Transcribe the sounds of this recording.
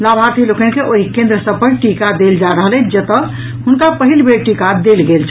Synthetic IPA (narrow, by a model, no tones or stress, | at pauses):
labʱaɾt̪ʰilokɛnkeʔoɦikẽnd̪ɾəsəb̚pəʈikad̪eld͡ʒaɾəɦəlɛ̃d͡ʒət̪ə | ɦunkapəɦilbʱeɾʈikad̪elɡelt͡ʃʰɛ̥